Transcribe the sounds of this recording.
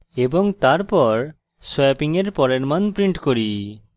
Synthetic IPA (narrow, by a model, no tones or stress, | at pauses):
eboŋt̪aɾpɔɾ | sɛpiŋeɾpɔɾeɾmanpɾiɳʈkoɾi